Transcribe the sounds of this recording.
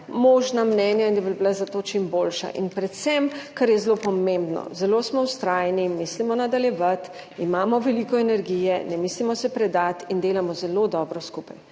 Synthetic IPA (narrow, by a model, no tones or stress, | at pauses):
moːʒnamnɛːnjaind̪abibilazat̪ot͡ʃimboːlʃa̰ʔḭnpɾɛt̪sɛmkaɾjɛzlopɔmẽmbnɔ̰zɛloːsmɔwst̪ɾaːjnimislimɔnad̪aljɛʋat̪ | imaːmɔʋɛlikɔɛnɛɾɡijɛnɛmiːslimɔsɛpɾɛd̪at̪ind̪eːlamɔzɛlod̪ɔːbɾɔskupaj